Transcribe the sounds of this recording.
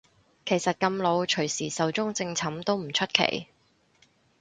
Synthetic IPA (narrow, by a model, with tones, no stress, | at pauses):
kʰe˨˩jsɐ˨t̚kɐ˧mlo˨˧wt͡ʃʰɵ˨˩ɥsiː˨˩sɐ˨˧˥wt͡sʊ˥ŋt͡sɪ˧ŋt͡sʰɐ˨˥mt̪o˥wm̩˨˩t͡ʃʰɵ˥t̚kʰḛ˨˩j